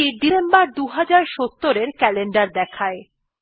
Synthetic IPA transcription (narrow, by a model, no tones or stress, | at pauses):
iɖisembaɾd̪uɦad͡ʑaɾʃot̪ːoɾeɾkɛleɳɖaɾd̪ɛkʰae